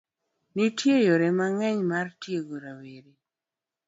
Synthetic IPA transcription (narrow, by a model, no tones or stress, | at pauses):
nitjejoɾɛmaŋɛɲmartjeɡoɾaweɾe